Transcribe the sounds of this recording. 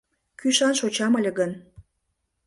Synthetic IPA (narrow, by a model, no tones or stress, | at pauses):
kyʃɑnʃot͡ɕɑməlʲĕɡən